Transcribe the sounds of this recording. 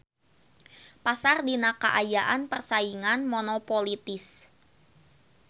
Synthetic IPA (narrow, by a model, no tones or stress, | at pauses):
pasardinakə̰ʔajaʔanpərsaiŋanmɔnɔpolit̪ɪs